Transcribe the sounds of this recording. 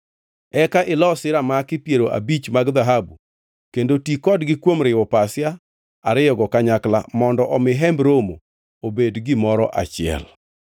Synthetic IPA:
ɛkaʔɪlɔsɪɾamakɪpjeɾoʔa̰bit͡ʃmaɡd̪aɦabu | kendotikɔdɡɪkwomɾɪwɔpasja | aɾɪjɔɡɔkaɲakla̰mɔndɔʔɔmɪɦɛmbɾomo̰ | obedɡɪmɔɾɔ̰ʔa̰t͡ʃɪɛ̰l

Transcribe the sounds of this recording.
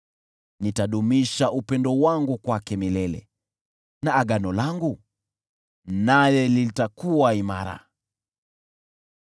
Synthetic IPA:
nitaɗumiʃaupɛndɔwaŋɡukwakɛmilɛlɛ̰ | naːɡanɔlaŋɡu | najɛlitakuwaima̰ɾa̰

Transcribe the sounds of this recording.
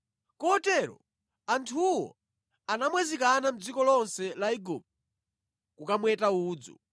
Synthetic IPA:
kɔtɛɾɔ̰ | antʰuwɔ̰ | anamwɛzikanam̩d͡zikɔlɔnsɛlaiɡup̚t | kukamwɛtauːd͡zɔ̰

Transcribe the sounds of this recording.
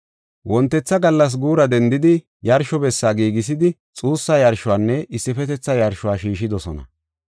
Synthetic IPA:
wʔɔnt̪ːɛt͡sːɐɡɐlːɐs̬ɡuːɾɐd̪ɛnd̪ɪd̪ɪ | jɐɾʃɔbɛsːaːɡiːɡɪs̬ɪd̪ɪt͡sʼuːsːajɐɾʃʊwaːnːɛʔɪsːɪfɛt̪ɛt͡sːɐjɐɾʃʊwaːʃiːʃɪd̪ɔsɔnɐ̰

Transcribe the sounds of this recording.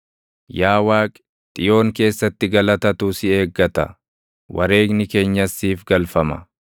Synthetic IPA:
jaːwaːkʼ | t̪ʼɪjo̞ːŋke̞ːsːɐt̪ːɪɡɐlɐt̪ɐt̪usɪe̞ːɡːɐt̪ɐ̰ | wʔɐ̰ɾe̞ːɡnɪke̞ːɲːɐsːiːfɡɐlfɐmɐ̰

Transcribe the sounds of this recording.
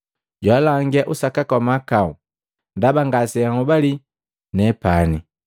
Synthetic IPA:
ɟwalaŋɡɛʔusakakɔmakau | ndabaŋɡasɛaŋubali | nɛpani

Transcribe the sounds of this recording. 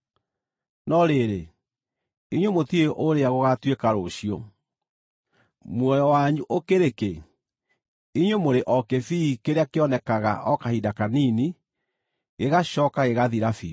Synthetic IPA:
nɔɾeɾe | iɲwomotieʔoɾeaɣoɣatwekaɾoɕio̰ | mwɔjɔwaɲuʔokeɾeke | iɲwomoɾeʔɔkefikeɾeakeɔnɛkaɣa̰ʔɔkahidakanini | ɣeɣaɕɔːkaɣeɣaðiɾafḭː

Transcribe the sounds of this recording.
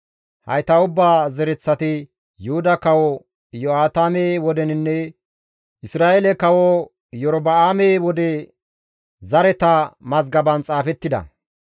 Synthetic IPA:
hɐ̰jt̪ɐʊbːaːzɛɾɛt͡sːɐt̪ɪ | jʊhʊd̪ɐkɐwɔ | jɔaːt̪aːmewɔd̪ɛnɪnːɛ | ʔɪsɾaːelɛkɐwɔ | jɔɾɔbɐaːmeːwɔd̪ɛ | zɐɾɛt̪ɐmɐzɡɐbɐnt͡sʼaːfɛt̪ːɪd̪ɐ̰

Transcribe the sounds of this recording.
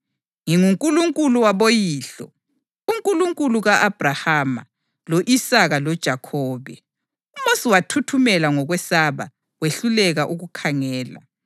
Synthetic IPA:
ŋiŋuŋkʼuluŋkʼuluwaβojiːɬɔ̰ | uŋkʼuluŋkʼuluɣaʔab̥ʱrahama̰ | loʔisaɣalɔd̥ʒ̥ʱakʰɔːβɛ | umosiwatʰutʰumɛlaŋɔɣwɛsaβa̰ | weɬulɛɣaʔuɣukʰaŋɛːla̰

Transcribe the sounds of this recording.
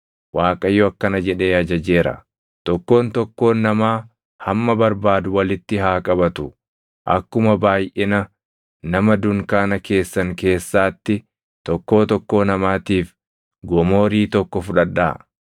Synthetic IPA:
waːkʼɐjɔɐkːɐnɐd͡ʒɛᶑe̞ːɐd͡ʒɐd͡ʒe̞ːɾɐ̰ | t̪ɔkːo̞ːnt̪ɔkːo̞ːnːɐmaː | hɐmːɐbɐɾbaːd̪ʊwɐlɪt̪ːɪɦaːkʼɐbɐt̪ʊ | ʔɐ̰kːʊmɐbaːjʔɛnɐ | nɐmɐd̪ʊŋkaːnɐke̞ːsːɐŋke̞ːsːaːt̪ːɪ | t̪ɔkːo̞ːt̪ɔkːo̞ːnɐmaːt̪iːf | ɡɔmo̞ːɾiːt̪ɔkːɔfʊᶑɐᶑːa̰ː

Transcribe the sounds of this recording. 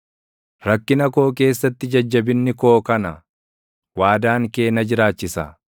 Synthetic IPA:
ɾɐkːɪnɐko̞ːke̞ːsːɐt̪ːɪd͡ʒɐd͡ʒːɐbɪnːɪko̞ːkɐnɐ | waːd̪aːŋke̞ːnɐd͡ʒɪɾaːt͡ʃːɪsɐ

